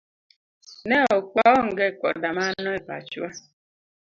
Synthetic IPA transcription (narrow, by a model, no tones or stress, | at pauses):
neokʷɔŋ̩ɡekɔ̰damanʊepa̰t͡ʃua